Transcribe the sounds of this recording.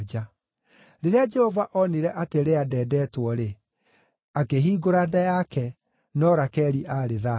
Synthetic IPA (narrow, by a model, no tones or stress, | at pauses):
d͡ʒa | ɾeɾead͡ʒɛhɔvaʔɔniɾɛʔateɾeadɛːdɛːtwɔɾe | akeɦiːɡoɾaːdajakɛ | nɔɾakɛːɾiʔaɾeða